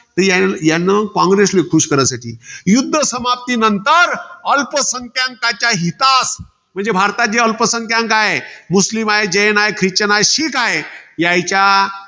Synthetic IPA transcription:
t̪əjajanːəkãŋɡɾeslekʰuʃkəɾəsaʈʰḭːjud̪ʱːəsɐmap̚t̪inənt̪əɾəlpəsəŋkʰjãŋkat͡ɕaɦit̪as | m̤əɳd͡zebʱaɾt̪ad͡ʑeəlpəsə̃ŋkjãŋkaɦemuslimaɦed͡ʒəjənaɦekʰɾit͡ɕənaeʃikaɦejait͡ɕa

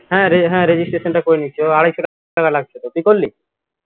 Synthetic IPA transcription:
ɦɛ̃ɾeɦɛ̃ɾed͡ʑisʈɾeʃonʈakoɾenit͡ɕʰoaɽajt͡ɕʰoʈ | ʈakalaɡ̚t͡ɕʰot̪ok̪ikolːi

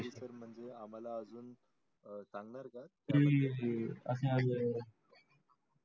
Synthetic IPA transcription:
ɾisəɾm̤əɳd͡zeam̤alaəd͡zuːn | t͡sãŋɡnaɾka | ɾi | əsẽazə

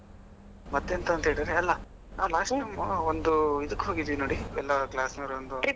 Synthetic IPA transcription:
mɐt̪ːeːnt̪ɐːnt̪ɦeːɭid̪ɾeɐlːɐ | naːlaːsʈʈɐjmond̪uid̪ɐkːɦoːɡid̪iʋinoːɽiɛlːɐklaːsnɐɾond̪u

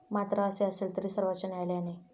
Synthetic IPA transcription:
mat̪ɾəːseəselt̪əɾiːsəɾʋat͡ɕənajleani

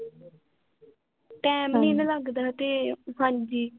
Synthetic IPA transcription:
ʈɛːmniːnələɡd̪aːt̪eːɦãnd͡ʒiː

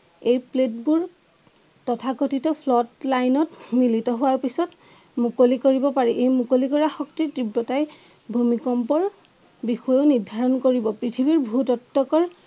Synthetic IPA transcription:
ejplet̚buɹ | tɔtʰakotʰitɔpʰlɔtlajnɔtmilitɔɦʊaɹpisɔt | mukolikoɹibɔpaɹiʔejmukolikɔɹaxɔktitɹibːɔtaj | bʱumikɔmpɔɹ | bixɔjoniɹdʱaɹɔnkoɹibɔpɹitʰibiɹbʱutɔtːɔkɔɹ

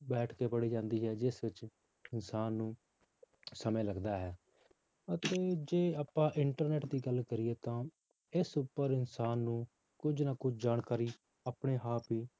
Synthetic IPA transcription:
bɛːʈʰkeːpəɽiːd͡ʒãːnd̪iːɦɛːd͡ʒɪsʋɪt͡ʃ | ɪnsaːnːũː | səmẽːləɡd̪aːɦɛː | ət̪eːd͡ʒeːaːpãːʔɪɳʈəɾnɛːʈd̪iːɡəlkəɾɪeːt̪ãː | ɪsʊpːəɾɪnsaːnːũː | kʊd͡ʒnaːkʊd͡ʒd͡ʒaːnkaːɾiː | aːpɽeːɦaːpiː

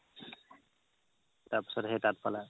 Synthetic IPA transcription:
tapsɔɾɦetat̪̚pala

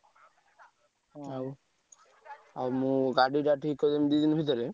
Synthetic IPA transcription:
a | amũɡaɖiʈaʈʰikːɔd̪emd̪ud̪inbʱit̪̬ɔɾe

